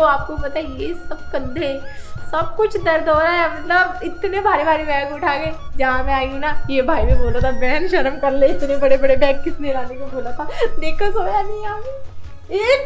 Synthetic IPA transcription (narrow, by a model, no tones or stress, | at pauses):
oaːp̚kopɐt̪aːɦɛjesɐb̚kɐ̃nd̪ʱesɐb̚kʊt͡ʃʰd̪ɐɾd̪ɦoːɾaɦɛmɐt̪ləbɪt̪nebʱaːɾebʱaːɾebɛ̃ːkʊʈʰaːɡeːd͡ʒɐɦãmɛ̃aːiũnajebʱaːinẽboːlat̪ʰabɛɦnʃɐɾəmkɐɾlẽɪt̪nebɐɽebɐɽebɛːnkɪsneɾaːnekobʱoːlat̪ʰaːd̪eːkʰasoːjanɐĩaːke | eːk